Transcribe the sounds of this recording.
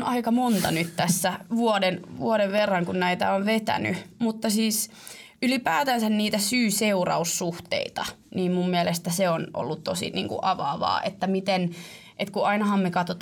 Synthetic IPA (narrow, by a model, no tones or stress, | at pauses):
nɑikɑmont̪ɑ̰nyt̪t̪æsːæʋuodenʋuoɾeʋʋerːɑŋkunnæit̪æ̰oʋʋet̪æ̰nymut̪ːɑsiːs | ylipæːt̪ænsænniːt̪æsyːseurɑ̰ussuht̪ḛit̪ɑ̰niːmmummiɛlest̪æseonʔo̰lːut̪t̪osḭnḭːŋkṵʔɑʋɑ̰ːʋɑ̰ːʔet̪ːæmit̪en | ʔet̪kuʔɑinɑhɑmmekɑt̪ot̪